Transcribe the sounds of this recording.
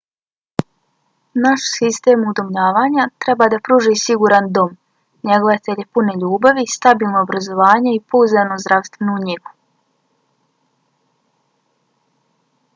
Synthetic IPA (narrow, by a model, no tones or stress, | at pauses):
naʃsist̪emud̪omʎaːʋaːɲat̪ɾe̞baːd̪apɾuːʒisiɡuːɾand̪o̞m | ɲe̞ɡoʋat̪eʎe̞pune̞ʎuːbaʋist̪abiːlˠno̞ːbɾazo̞ʋaːɲeipouzenozd̪ɾafst̪ʋe̞nuɲeɡo̥